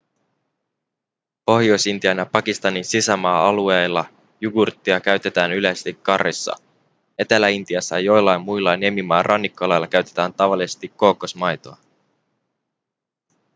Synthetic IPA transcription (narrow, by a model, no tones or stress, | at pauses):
po̞hjo̞jsint̪iænæpɑkist̪ɑninsisæmɑːɑluejlːɑ | juɡurt̪ːiɑkæɥt̪e̞t̪æːnylest̪ikːɑrːisːɑ̰ | e̞t̪ælæint̪iɑsːɑjo̞jlːɑjmːujlːɑnemimɑːrʔɑnːikːolɑjlːɑk̟æɥt̪et̪æːnt̪ɑʋɑlːˑise̞st̪ikːo̞ːkːosmɑjt̪o̞ɑ